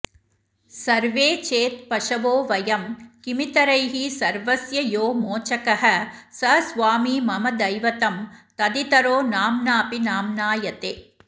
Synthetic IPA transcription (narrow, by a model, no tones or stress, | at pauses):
sɐɾʋeːt͡ʃeːt̪̚pɐʂɐʋoːʋɐjɐmkimit̪ɐɾɐjɦisɐɾʋɐsjɐjoːmoːt͡ʃɐkɐɦɐsɐsʋaːmiːmɐmɐd̪ɐjʋɐt̪ɐmt̪ɐd̪it̪ɐɾoːnaːmnaːpinaːmnaːjɐt̪eː